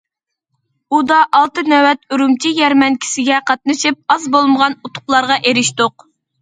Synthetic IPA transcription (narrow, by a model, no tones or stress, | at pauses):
ud̪ɑʔɑlˠt̪ɨnɛwɛt̪yɾumt͡ʃʰijɛɾmɛnkʲʰi̥sɪɡʲɛqʰɑt̪̚nɨʃɨp̚ɑzbolˠməʁɑnut̪ʰʊ̥χlˠɑɾʁɑʔeɾɪʃt̪oq